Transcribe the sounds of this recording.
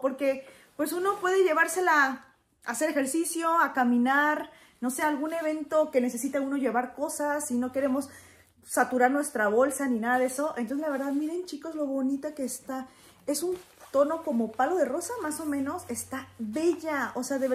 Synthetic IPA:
po̞ɾke̞ | pwe̞suno̞pwe̞ðe̞ʝe̞β̞aɾse̞la | a̰se̞ɾe̞xe̞ɾsisjo̞akamĩnaɾ | no̞seaːlɣune̞β̞e̞nt̪o̞ke̞ne̞se̞sit̪auno̞ʝe̞βaɾko̞sasino̞ke̞ɾe̞mo̞s | sat̪uɾaɾnwe̞st̪ɾaβo̞lsanĩnaðaðe̞so̞ʔent̪oselaβe̞ɾðaðmiɾe̞nt͡ʃiko̞zlo̞βo̞nit̪ake̞ːst̪a | e̞sun | t̪o̞no̞ko̞mo̞palo̞ðe̞ro̞samaso̞mẽ̞no̞se̞st̪aβe̞ʝaose̞aðeβ

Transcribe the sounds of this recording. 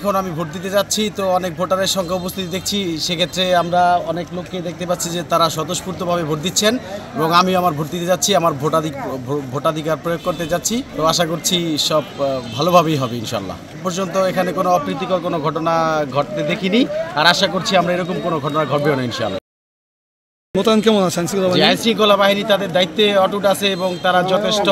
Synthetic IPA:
kʰonamibʱoʈ̚d̪it̪ed͡ʑatːɕʰit̪oɔnek̚bʱoʈaɾeɾʃɔŋkʰaupost̪ʰit̪id̪ekʰt͡ɕʰiʃekʰet̪ːɾeamɾaɔneklokːed̪ek̚ʰt̪epaɾt͡ɕʰid͡ʑet̪aɾaʃɔd̪oʃpuɾt̪obʱabebʱoʈ̚d̪itːɕʰeneboŋamiamaɾbʱoʈ̚d̪it̪ed͡ʑatːɕʰiamaɾbʱoʈad̪ʱibʱoʈad̪ʱikaɾpɾojoɡ̚koɾt̪ed͡ʑatːɕʰit̪oaʃakoɾt͡ɕʰiʃɔbbʱalobʱabejɦɔbeinʃa̰a̰lːa̰ | pɔɾd͡ʑont̪oekʰanekonoɔpɾit̪ːikoɾkonoɡʱɔʈonaɡʱɔʈ̚t̪ed̪ekʰiniaɾaʃakoɾt͡ɕʰiamɾaeɾok̬omkonoɡʱɔʈonaɡʱɔʈbeonainʃa̰a̰lːa̰ | mot̪ankɛmonat͡ɕʰansikolabaɦajnsiŋkolabaɦinit̪ad̪eɾd̪ait̪ːeɔʈuʈasʰeeboŋt̪aɾad͡ʑɔt̪ʰeʃʈo

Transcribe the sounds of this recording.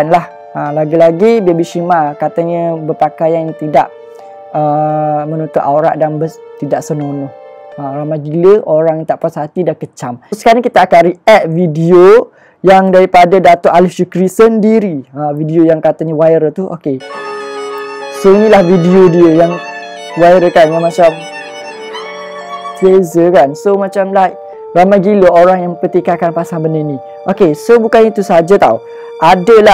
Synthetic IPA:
nlah | əlaɡilaɡibiabiʃimakat̪aɲə̃bəpakajant̪idaʔ | əmə̃nut̪ʊʔauɾa̰ʔdanbət̪idaʔsənonɔhəoɾaŋmad͡ʒiləʔoɾaŋjt̪aʔpashat̪idakət͡ʃamsə̥kaɾaŋkit̪aːkanɾiɛt̪̚vidio | jaŋdaɾipadadat̪oʔalifsukɾisəndiɾiavidiojaŋkat̪aɲiwajɾət̪uʔo̰ke | soinilahvidiodiəjaŋ | wajɾəkanjamat͡ʃam | sezəkansomat͡ʃamlah | ramajɡiləoɾaŋjaŋməpət̪ikakanpasaŋbənənĩ | ʔokesobukanit̪usaɦad͡ʒat̪a̰u | ʔadəla

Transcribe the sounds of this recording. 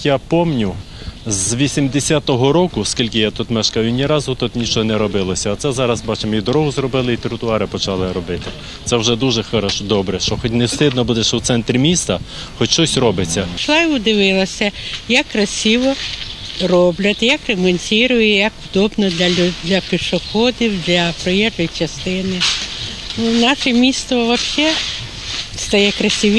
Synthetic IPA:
japɔmnʲʊ | zʋʲisʲimd̪esʲat̪ɔɦɔɾɔkʊskʲilʲkɪjat̪ut̪mɛʃkɑjʊnʲiɾɑzʊt̪ut̪nʲit͡ʃɔnɛɾɔbɪlˠɔsʲɐːt̪sɛzɑɾɐzbɑt͡ʃemid̪ɔɾɔɦʊzrɔbɪlˠɪit̪ɾʊt̪ʊɑɾɪpɔt͡ʃɑlˠɪɾɔbɪt̪ɪ | t̪sɛwʒɛd̪uʒɛxɪɾɔʃʊd̪ɔbɾɛʃt͡ʃɔxɔtʲnewst̪ɪd̪nɔbud̪ɛʃɛwt̪sɛnt̪ɾʲimʲist̪ɐ | xɔt͡ʃʲʃt͡ʃɔsʲrɔbɪt͡sʲːɐʃlˠɑiʊd̪ɪʋɪlˠɐsʲɐjɐkːrɐsʲiʋɔ | rɔblʲɐt̪ʲjɐkremɔnʲsʲiɾʊjɛjɐkwd̪ɔbnɔd̪lʲɐd̪lʲɐpʲɪʃɔxɔd̪ʲiwd̪lʲɐpɾɔjɛʒɔjit͡ʃɐst̪ɪnɪ | nunɑʃɛmʲist̪ʋɔʋɐpʃt͡ʃɛ | st̪ɐjɛkɾɐsʲiʋʲ

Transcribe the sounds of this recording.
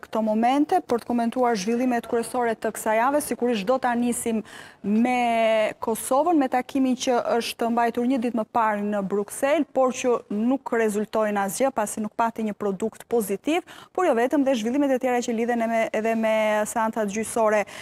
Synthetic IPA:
kt̪ɔmɔmɛnt̪ɛpəɾt̪ə̥kɔmɛnt̪uaɾʒvilˠimɛt̪kɾɛsɔɾɛt̪əkə̥sajavɛsikuɾiʃ̬d̪ɔt̪anisimmɛkɔsɔvənmɛt̪akʰimint͡ɕəʔəʃt̪əmbajt̪uɾɲəd̪it̪məpaɾnəbɾuksɛlpɔɾcənukrɛzult̪ɔjnazjəpasinuk̚pat̪iɲəpɾɔd̪ukt̪pɔzit̪ivpɔɾjɔvɛt̪əmðɛʒvilˠimɛt̪ɛt̪jɛɾat͡ɕəliðɛnɛɛðɛmɛsɛant͡sat̪̚ɟysɔɾɛ

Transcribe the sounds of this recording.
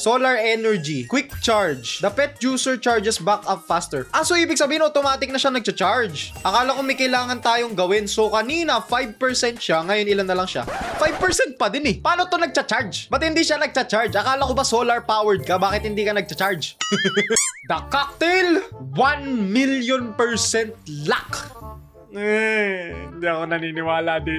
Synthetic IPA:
soːlɐɹɛnɛɹd͡ʒikwɪk̚t͡ʃaɹd͡ʒd̪ɐpɛt̪̚d͡ʒuːsɛɹt͡ʃaɹd͡ʒɛsbakɐffast̪ɛɹʔɐsoʔiːbɪɡ̚sɐbiːɪnʔot̪omaːt̪ɪk̚nɐʃanɐɡ̚t͡ʃɐt͡ʃaɹd͡ʒʔɐkaːlɐkomɐjkɐjlaːŋɐnt̪aːjoŋɡɐwɪnso̞kɐniːnɐfajb̚pɛɹsɛnt̪̚ʃaŋɐjo̞nɪlanːɐlɐŋʃa̰fajb̚pɛɹsɛnt̪̚pɐd̪ɪnɛpɐaːnot̪onɐɡ̚t͡ʃat͡ʃaɹd͡ʒbɐt̪̚hɪnd̪iʃanɐɡ̚t͡ʃat͡ʃaɹd͡ʒʔɐkaːlɐkobɐsoːlɐɹpaːwɛɹd̪̚kɐbaːkɪt̪hɪnd̪iːkɐnɐɡ̚t͡ʃɐt͡ʃaɹd͡ʒ | d̪ɐkːak̚t̪ɛlwanmiljonpɛɹsɛnt̪̚lak | ɛ | ɪnd̪iɐkonɐninɪwaːlɐd̪ɪ

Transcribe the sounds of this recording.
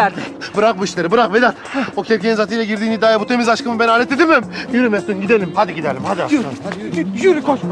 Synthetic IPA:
ɾd̪ibɯɾaq̚buiʃlʲe̞ɾibɯɾaqved̪at̪ocʰepcʰʲeizat̪ʰijlʲɛɟiɾd̪iːnid̪aːjabut̪ʰemizaʃkɯmɯbɛnaːlʲet̪e̞d̪imimjyɾymest̪ynɟid̪elʲimhad̪iɟid̪eɾlʲimhad̪ia̰ajyɾkʰo

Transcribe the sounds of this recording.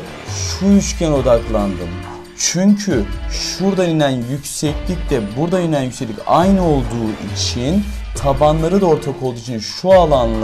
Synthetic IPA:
ʃujyt͡ʃcʰɛno̞d̪aklˠand̪ɯm | t͡ʃʰyɲcʰyʃuɾd̪aiinænjycsɛclʲic̚d̪ɛbuɾd̪ajinænjycsɛclʲicajnɯo̞lˠd̪uːʔit͡ʃʰint̪ʰabanlˠaɾɯd̪ao̞ɾt̪ʰakʰo̞lˠd̪uit͡ʃʰinʃualˠanlˠ

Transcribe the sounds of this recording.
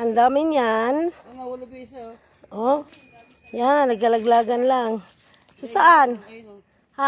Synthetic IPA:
and̪amɪɲjan | ʔo | ɲanaɡkalaɡlaːɡanlaŋ | sosaʔan | ha

